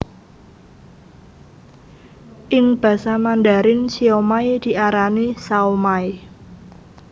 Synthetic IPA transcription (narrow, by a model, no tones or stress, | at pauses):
ʔɪŋb̥ä̤samandaɾɪnsiomaid̪̥i̤ʔaɾanisaomai